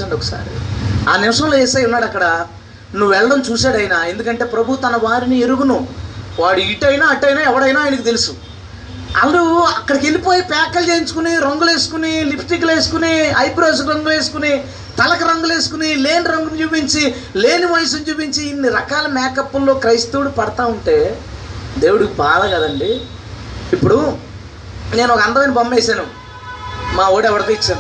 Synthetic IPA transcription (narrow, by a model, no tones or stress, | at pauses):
ɐɳɖɔkːɐ̥sa̰ːɾa̰ːnɪʋɐʂɐ̃loːeːsaːjunːaːɽɐkːɐɽɐ | nuʋuʋɛɭːɐɽɐmt͡ʃuːsaːɽɐjnaːe̞nd̪ukɐɳʈe̞ːpɾɐbʱut̪ɐnɐʋaːɾinieɾuɡunuʋaːɽuiʈɐjnaːɐʈːɐjnaːɛʋɐɽɐjnaːjɐnɐkit̪elusu | ɐ̰lːuɐkːɐɽɐke̞lipo̞ːjipɛːkːɐlt͡ʃeːjiɲt͡ʃu̥kuniɾɐŋɡule̞ːsu̥kunilipʰʈikːle̞ːsu̥kuniɐjpɾoːs̬kɾɐŋɡule̞ːs̬u̥kuni | t̪ɐlɐkɐɾɐŋɡule̞ːsu̥kunile̞ːnɾɐŋɡunt͡ʃuːpiɲt͡ʃi | le̞ːniʋɐjs̬ɐnt͡ʃuːp̬iɲt͡ʃiːnːiɾɐkaːlɐmɛːkɐpːulːo̞ːkɾɐjst̪uːɽupɐɽɐt̪aːuɳʈe̞ː | d̪e̞ːwuɽikibaːd̪ɐɡɐd̪ɐɳɖi | ipːuɽu | ne̞ːnɔkɐɐnd̪ɐʋɐjnibɐmbeːsaːnu | maːoːɽɛʋɐɽɐk̪uit͡ʃːaːn